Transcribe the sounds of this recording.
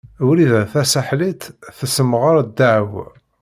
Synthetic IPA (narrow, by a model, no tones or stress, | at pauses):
uɾiðæθæsaħlit̪θəsəmːʁəɾˤd̪ːaʕw